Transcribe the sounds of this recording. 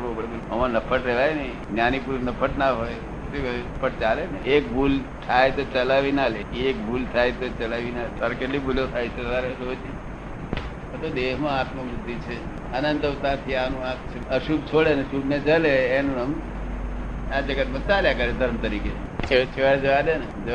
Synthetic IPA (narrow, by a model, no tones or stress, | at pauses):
opəɾ | əmãnəpʰəʈɾeʋajni | njanipuɾnəpʰəʈnaɦoj | t̪epʰəʈ̚t͡ʃaleneek̚bʱult̪ʰajt̪ot͡ʃəlaʋinaleiek̚bʱult̪ʰajt̪ot͡ʃəlaʋinasəɾkeʈlibʱuljot̪ʰajt͡ʃʰet̪əaɾet̪oəd͡ʒi | pət̪od̪eɦmãat̪məbʊd̪ʱːit͡ʃʰe | ənə̃nt̪əʋt̪ãt̪ʰianũãkt͡ʃʰəʃub̚t͡ʃʰoɽeneʃubned͡ʒəleːnũəm | ãd͡ʒəɡəmət̪ːaljakəɾed̪ʱəɾmt̪əɾikeet͡ʃʰeʋad͡ʒəʋadened͡ʒ